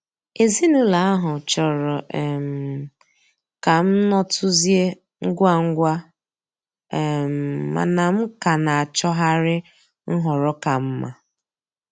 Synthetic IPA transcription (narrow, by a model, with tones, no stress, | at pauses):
e˨zi˦nu˦la˨a˦ɦʊ˨t͡ʃɔ˨ɾɔ˨m˨ | ka˨m̩˦nɔ˦tʰʊ˦zje˦ | ŋ̩˦ɡʷa˦ŋ̩˦ɡʷa˦˨ | m˨ma̰˨na˨m̩˦ka˨na˨a˨t͡ʃɔ˦ɦa˦ɾɪ˦ | ŋ̩˦ɦɔ˨ɾɔ˦ka˨m̩˦ma˨